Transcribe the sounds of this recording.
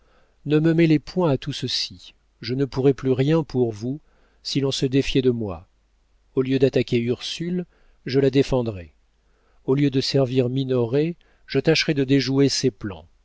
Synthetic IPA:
nəməmelepwɛ̃at̪usəsi | ʒənəpuʁɛplyʁjɛ̃pʰuʁvu | silɔ̃səd̪efjɛd̪əmwa̰ | oljød̪at̪akʲeyʁsyl | ʒəlad̪efɑ̃d̪ʁɛ | oljød̪əsɛʁviʁminɔʁe | ʒ̥ət̪aʃʁɛd̪əd̪eʒueseplɑ̰̃

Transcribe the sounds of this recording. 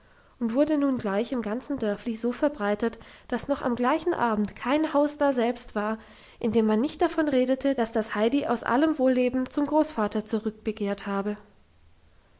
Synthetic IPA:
ʔʊntv̥ʊɐdənuːnɡlaɪçɪmɡant͡sn̩dœɐflizoːfɛɐbʁaɪtətd̥asnɔχa̰mɡlaɪçn̩ʔa̰ːbm̩tkʰaɪnhaʊsd̥aːzɛlpstv̥aːɐ | ʔɪndeːmːanːɪçt̚d̥afɔnʁeːdətʰəd̥asd̥ashaɪdiʔa̰ʊsʔa̰ləmvoːlːeːbm̩t͡sʊmɡʁoːsfaːtɐt͡suʁʏk̚b̥əkʰeːɐthaːbə

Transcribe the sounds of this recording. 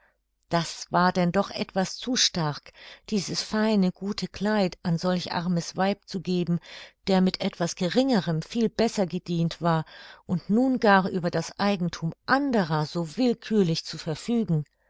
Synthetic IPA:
d̥asv̥aːɐdɛndɔχʔɛ̰tv̥ast͡suʃtaɐkd̥iːzəsfaɪnəɡuːtʰəkl̥aɪtʔanzɔlçʔa̰ʁməsv̥aɪp̚t͡suɡeːbm̩d̥eːɐmɪtʰʔɛtv̥asɡ̥əʁɪŋəʁəmfiːlbɛsɐɡədiːntv̥aːɐʔʊntnuːnɡaːʁʔyːbɐdasʔaɪɡŋ̩tʰuːmʔandəʁɐzoːvɪlkʰyːɐlɪçt͡sufɛɐfyːɡŋ̩

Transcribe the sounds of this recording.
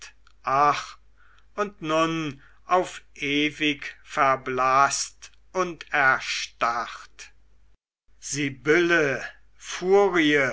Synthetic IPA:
ʔaχ | ʊntnʊn | ʔaʊfʔeːvɪkfɛɐblaːst | ʔʊntɛɐʃtaʁt | z̥ibɪlə | fuːʁiə

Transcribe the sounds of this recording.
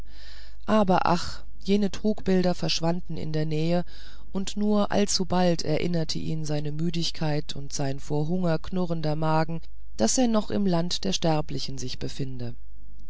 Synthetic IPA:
ʔaːbɐʔa̰χ | jeːnətʁ̥uːkb̥ɪldɐfɛɐʃv̥andn̩ʔɪ̰ndeːɐnɛːə | ʔʊntnuːɐʔa̰lt͡subaltʰɛ̰ɐʔɪ̰nɐtʰə̰ʔiːnzaɪnəmyːdɪçkʰaɪtʰʊntz̥aɪnfoːɐɦʊŋɐknʊʁəndɐmaːɡŋ̩ | d̥aseːɐnɔχʔɪ̰mlantd̥eːɐʃtɛɐplɪçn̩zɪçb̥əfɪndə

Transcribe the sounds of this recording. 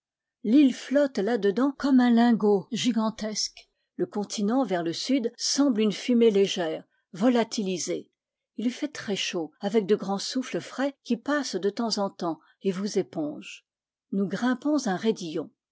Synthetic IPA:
lilflɔt̪lad̪əd̪ɑ̃kɔmɛ̃lɛ̃ɡoʒiɡɑ̃t̪ɛsk | ləkɔ̃t̪ʰinɑ̃vɛʁləsyd̪sɑ̃blynfymeleʒɛːʁ | vɔlat̪ilize | ilfɛt̪χɛʃoavɛk̚d̪əɡʁɑ̃sufləfχɛkʲipasd̪ət̪ɑ̃zɑ̃t̪ɑ̃ | evuzepɔ̃ʒ | nuɡʁɛ̃pɔ̃zɛ̃ʁed̪ijɔ̃

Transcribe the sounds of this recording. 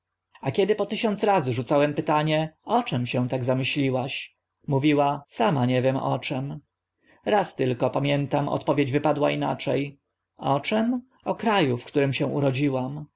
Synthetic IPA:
akʲɛd̪ɘpɔt̪ɘɕɔnt̪sɾazɘʐut̪sawɛmpɘt̪aɲɛɔt͡ʂɛmɕɛw̃t̪aɡzamɘɕlʲiwaɕ | muvʲiwasamaɲɛvʲjɛmɔ̰t͡ʂɛm | ɾast̪ɘlkɔpamʲjɛnt̪amʔɔ̰t̪pɔvʲjed͡ʑvɘpad̪waina̰t͡ʂɛj | ɔt͡ʂɛm | ɔkɾajufkt̪uɾɘmɕɛ̃ṵɾɔd͡ʑiwam

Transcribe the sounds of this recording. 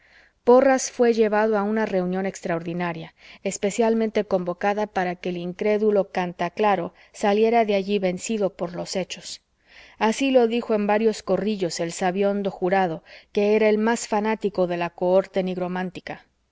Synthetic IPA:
po̞rasfwe̞ʝe̞β̞aðoaunare̞unjo̞ne̞kst̪ɾao̞ɾðinaɾjaespe̞sjalmẽnt̪e̞ko̞mbo̞kaðapaɾake̞ːliŋkɾe̞ðulo̞kant̪aklaɾo̞ | salje̞ɾaðeaʝiβe̞nsiðo̞po̞ɾlo̞se̞t͡ʃo̞s | asilo̞ðixo̞e̞mbaɾjo̞sko̞riʎo̞se̞lsaβjo̞nd̪o̞xuɾaðo̞ke̞eɾae̞lmasfanat̪iko̞ðe̞lakooɾt̪e̞niɣɾo̞mãnt̪ika

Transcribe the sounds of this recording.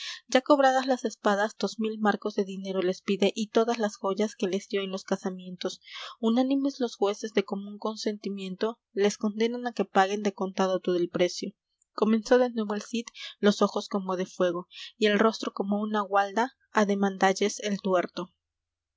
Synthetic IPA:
ɟ͡ʝako̞βɾað̞azlase̞spaðazd̪o̞zmilmaɾko̞zðe̞ðine̞ɾo̞le̞spiðe̞ʔit̪o̞ðazlasxo̞ʝaske̞le̞zd̪jo̞enlo̞skasamje̞nt̪o̞sunanime̞zlo̞sxwe̞se̞zðe̞ko̞mũŋko̞nse̞nt̪imjẽ̞nt̪o̞ | le̞sko̞nd̪e̞nanake̞paɣe̞nd̪e̞ko̞nt̪aðot̪oðe̞lpɾe̞sjo̞ | ko̞mẽ̞nso̞ðe̞nwe̞βoelsit̪lo̞so̞xo̞sko̞mo̞ð̞e̞fwe̞ɣ̞o̞ie̞lro̞st̪ɾo̞ko̞mo̞unaɣwald̪aː | ðe̞mãnd̪aʝe̞selt̪we̞ɾt̪o̞

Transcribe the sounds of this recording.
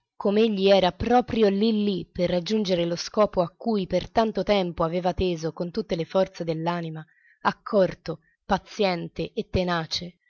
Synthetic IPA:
komeeʎːiɛːɾapɾɔːpɾjolilːipːerːad͡ʒːund͡ʒeɾeloskɔːpoakːujpert̪ant̪ot̪ɛmpoaveːvat̪eːzokont̪ut̪ːelefɔrt̪sed̪elːaːnima | akʰːɔrt̪o | pat̪sjɛnt̪eʔet̪ːenaːt͡ʃe

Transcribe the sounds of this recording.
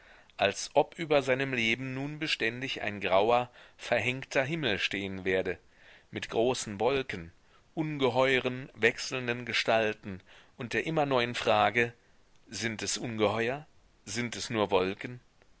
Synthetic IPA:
ʔalsʔɔpʔyːbɐzaɪnəmleːbm̩nuːnbəʃtɛndɪçʔa̰ɪnɡʁaʊɐfɛɐɦɛŋktʰɐɦɪml̩ʃteːənveːɐdə | mɪtɡ̥ʁoːsn̩vɔlkən | ʔʊnɡəɦɔʏʁ̞ənvɛksl̩ndənɡəʃtaltn̩ʔʊnt̚d̥eːɐʔɪmɐnɔʏənfʁ̥aːɡə | zɪntɛsʔʊnɡəhɔʏɐ | zɪntɛsnuːɐvɔlkən̩

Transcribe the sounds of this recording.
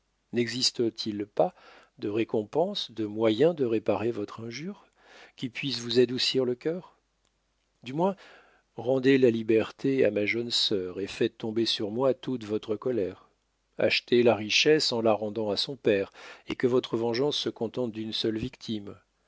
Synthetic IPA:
nɛɡzist̪ət̪ʰilpa | d̪əʁekɔ̃pɑ̃sd̪əmwajɛ̃d̪əʁepaʁevɔt̪χɛ̃ʒyːʁ | kʲipɥis̬vuzad̪usiʁləkʲœːʁ | d̪ymwɛ̃ | ʁɑ̃d̪elalibɛʁt̪ʰea̰maʒənsœʁefɛt̪ːɔ̃besyʁmwat̪ut̪vɔt̪χəkɔlɛʁ | a̰ʃt̪ʰelaʁiʃɛsɑ̃laʁɑ̃d̪ɑ̃asɔ̃pɛʁekəvɔt̪χəvɑ̃ʒɑ̃sːəkɔ̃t̪ɑ̃t̪̚d̪ynsœlvikt̪ʰim

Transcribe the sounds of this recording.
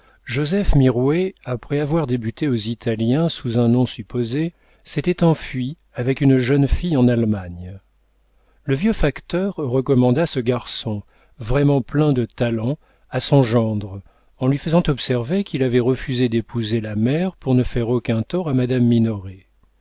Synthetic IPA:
ʒozɛfmiʁweapχɛavwaʁd̪ebyt̪eozit̪ʰaljɛ̃suzɛ̃nɔ̃sypoze | set̪ɛt̪ɑ̃fɥi | avɛkynʒənfijɑ̃nalmaɲ | ləvjøfakt̪œʁːəkɔmɑ̃d̪asəɡaʁsɔ̃ | vʁɛmɑ̃plɛ̃d̪ət̪alɑ̃ | asɔ̃ʒɑ̃d̪ʁ | ɑ̃lɥifəzɑ̃t̪ɔpsɛʁvekʲilavɛʁəfyzed̪epuzelamɛʁpuʁnəfɛʁokɛ̃t̪ɔʁamad̪amːinɔʁe

